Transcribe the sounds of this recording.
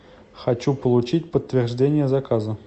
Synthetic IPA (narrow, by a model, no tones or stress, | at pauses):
xat͡ɕːupəlˠut͡ɕitʲpət̪ʲːvʲerʐdʲenʲɪjəzakazə